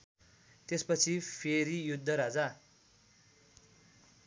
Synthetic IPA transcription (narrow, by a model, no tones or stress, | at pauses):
t̪espʌt͡sʰipʰeɾijud̪ʱːʌɾad͡za